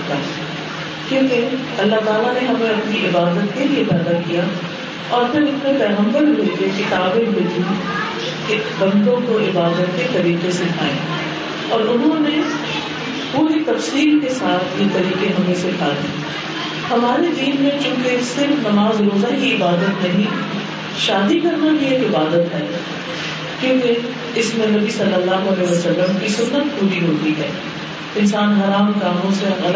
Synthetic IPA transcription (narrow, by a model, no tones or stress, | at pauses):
t̪a̰ː | kjõːke | ɐlːaɦt̪aːlaneɦɐmẽɐpniɪbaːd̪ət̪̚kelieɪbaːd̪akija | ɔːɾpʰɪɾʊsmẽpɛːɣə̃mbəɾɦʊekekɪt̪aːbẽʋʊd͡ʒuːd̪ | kebɐ̃nd̪õkoɪbaːd̪ət̪̚ket̪ɐɾiːqesɪkʰaːḛ̃ː | ɔːɾʊnɦõne | puːɾit̪ɐfsiːlkesaːt̪ʰjeːt̪ɐɾiːqeɦɐmẽsekʰaːd̪ḭː | hɐmaːɾed̪iːnmẽt͡ʃũːkesɪɾfnɐmaːzɾoːzakiɪbaːd̪ət̪nɐɦĩ | ʃaːd̪ikɐɾnaɦieːkɪbaːd̪ət̪ɦɛː | kjõːke | ɪsmẽnɐbisɐlːəlːaːɦoɐlɛːɦiʋɐsɐlːəmkisʊnːət̪̚puːɾiɦoːt̪iɦɛ̰ː | ɪnsaːnɦɐɾaːmkaːmõseɐ